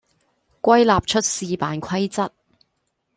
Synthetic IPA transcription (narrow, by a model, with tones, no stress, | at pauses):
kʷɐ˥jlaː˨p̚t͡ʃʰɵ˥t̚siː˨˧paː˨˧nkʷʰɐ˥jt͡sɐ˥t̚